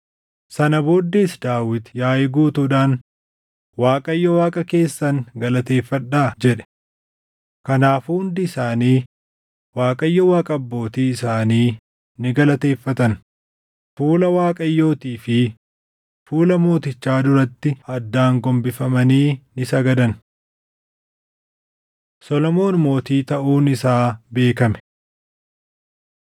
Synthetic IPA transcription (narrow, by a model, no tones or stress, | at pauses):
sɐnɐboːd̪ːe̞ːsd̪aːwɪt̪jaːjɪɡuːt̪uːᶑaːn | waːkʼɐjːɔwaːkʼɐke̞ːsːɐnɡɐlɐt̪e̞ːfːɐᶑːaːd͡ʒɛᶑɛ̥ | kɐnaːfuʊnd̪ɪɪsaːniː | waːkʼɐjːɔwaːkʼɐbːo̞ːt̪iːɪsaːniː | nɪɡɐlɐt̪e̞ːfːɐt̪ɐn | fuːlɐwaːkʼɐjːo̞ːt̪iːfɪ | fuːlɐmo̞ːt̪ɪt͡ʃːaːd̪ʊɾɐt̪ːɪɐd̪ːaːŋɡɔmbɪfɐmɐniːnɪsɐɡɐd̪ɐn | sɔlɔmo̞ːnmo̞ːt̪iːt̪ɐʔuːnɪsaːbe̞ːkɐmɛ̥